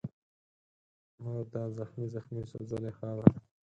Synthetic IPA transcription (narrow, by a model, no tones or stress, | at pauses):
mad̪ɑzaxmizaxmiso̰zəlexɑɾa